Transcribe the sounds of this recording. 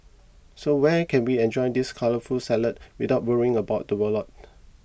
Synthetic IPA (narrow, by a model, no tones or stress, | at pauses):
sowɛkʰɛ̃nwiɛ̃nd͡ʒɔɪdiskʰaləfulsɛlət̚widaʊt̚wəɹiɪ̃ŋəbaʊt̚dəwəlɔt̚